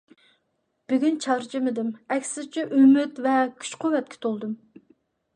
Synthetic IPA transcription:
b̥ɪɡʲynt͡ʃʰɑɾt͡ʃʰɪmɪd̪ɪmɛkʲsɪzt͡ʃʰɛʔømɪt̪vɛkʲʰy̥t͡ʃqʰowɛt̪̚kʲʰɪ̥t̪ʰolˠd̪ɨm

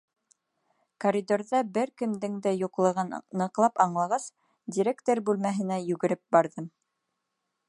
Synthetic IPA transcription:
koɾʲid̪oɾðɑbɘɾkɵ̆md̪ɘ̆ŋd̪ɘjuqlˠɤ̆ʁɑnnɤ̆qlˠɑpɑɴlˠɑʁɑs | dʲiɾʲekt̪oɾbʉlmæɦɘ̆næjʉɡɘ̆ɾɘp̚bɑɾðɤm

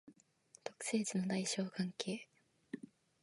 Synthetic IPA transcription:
t̪o̞̥kɯ̟̥se̞ːd͡ʑino̞d̪aiɕo̞ːkãŋkʰe̞ː

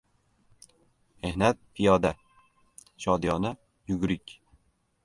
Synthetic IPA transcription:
mehnat̪̚pʰɪjɒd̪a | ʃɒd̪jɒna | jʊɡʲɾɪkʲ

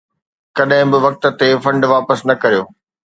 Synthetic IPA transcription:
kɐɗɦɪ̃bɪʋɐk̚t̪ə̆t̪efɐ̃ɳɖʋaːpəsnɐkɐɾijoː

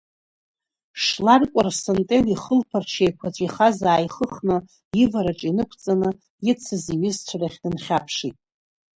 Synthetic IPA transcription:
ʂlarkʷʼarsontʼeliχəlpʰart͡ʃʰejkʷʰat͡ɕʷʼiχazaːjχəχnɨ | jɪvaɾaʈ͡ʂʼinɨkʷʰt͡sʼanɨ | jɪt͡sʰɨziɥɪzt͡ɕʷʰaraχʲnɨnχʲapʰʂitʼ

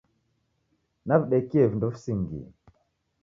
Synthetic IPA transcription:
naviɗɛkiɛvindɔfsiŋɡḭ

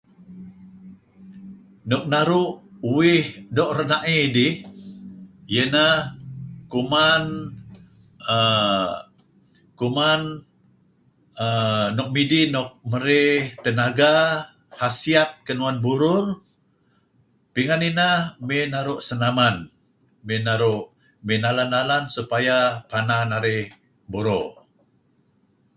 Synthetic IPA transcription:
nɔk̚naɾʊʔuwɪhdɔʔrənaʔidɪh | jənahkuman | ə | kuman | ənɔk̚midinɔk̚məɾɪht̪ənaɡa | hasiat̪̚kənuanbuɾʊr | piŋaninahmenaɾʊʔsənaman | mɪnaɾʊʔ | minalanalansupajapananaɾɪh | buɾo̰

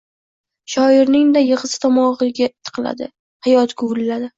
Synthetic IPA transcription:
ʃɒɪɾnɪŋd̪ajɨʁɨsɪ̥t̪ʰɒmɒʁɨɡʲaɪt̪ʰːɨ̥qʰɨla̰d̪ɪ̰ | hajɒt̪ɡʊlːad̪ɪ

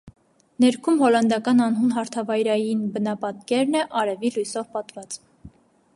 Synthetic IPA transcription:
nɛɾkʰumhɔlɑnd̪ɑkɑnɑnɦunɦɑɾt̪ʰɑvɑjɾɑjinbənɑpɑt̪kɛɾnɛʔɑɾɛvilujsɔvpɑt̪vɑt͡s

